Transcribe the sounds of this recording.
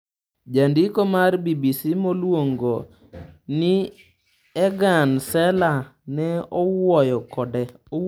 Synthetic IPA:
d͡ʒandɪkomarbibisimolwoŋɡo | nɪ | ɛɡansɛlanɛɔwɔjɔkɔdɛ

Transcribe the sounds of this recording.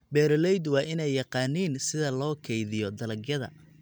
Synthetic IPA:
bɛːɾɔlɛjd̪wɑːʔɪnɛjːɑqɑːniːnsɪðɐlɔːkʰɛjðɪjɔd̪ɐlɐɡjɐðɐ̰

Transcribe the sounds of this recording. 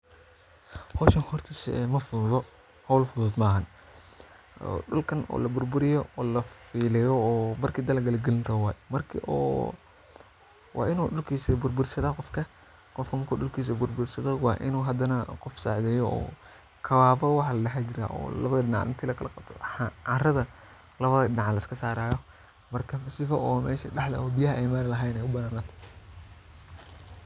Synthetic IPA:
hɔʃɐnhɔrt̪ʰɐsmɐfʊððɔ | hɔwlfʊðʊd̪maːɦɐn | ɗʊlkʰɐnɔ̰ːlɐbʊrbʊɾɪjɔɔːlɐfiːlɛjɔːbɐrkʰiːd̪ɐlɐɡɐlɐɡɛlɪnɾɔwaːjmɐrkʰḭʔɔ̰ː | wʔɑ̰ːʔɪnuːɗʊlkʰiːsɐbʊrbʊrsɐðaqɔfkʰɐ | qɔfkʰɐmɐkʰuɗʊlkʰiːs̬ɐbʊrbʊɾsɐðɔwɑ̰ːʔɪ̰nuːɦɐd̪ɐnɐqɔfsa̰ːʕd̪ɛːjɔɔ̰ː | kʰɐwaːfɔwɑħɑlɐlɐɦad͡ʒɪɾa̰ːʔɔ̰ːlɐ̰βɐðɐɪnɑʕ̰ʔɪ̰nt̪ʰiːlɐkʰɐlɐqɑb̚t̪ʰɔ̰ʕɑrɐðɐ | lɐβɐðɐɪnɑʕɑlɐɪskʰɐsaːɾaːjɔ | mɐrkʰɐfɐsɪfɐɔːmɛ̰ːʃɐɖɑħlɐ̰ɔːbijɐɦɐʔɛjmaːlɐlɐɦɛjnɛjʊbɐnaːnat̪ʰɔ̥

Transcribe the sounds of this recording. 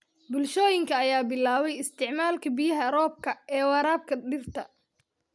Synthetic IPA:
bʊlʃɔːjɪŋkʰɐːjaːbɪlaːβɛjɪst̪ʰɪʕmaːlkʰɐbɪjɐɦɐɾɔːb̚kʰɐɛːwɑɾaːb̚kʰɐɖɪrt̪ʰɐ

